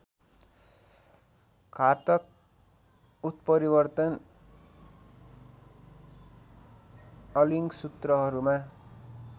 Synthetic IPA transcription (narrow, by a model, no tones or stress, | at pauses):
kʰat̪ʌk̚ | ut̪̚pʌɾibʌrt̪ʌn | ʌliŋɡsut̪rʌɦʌɾuma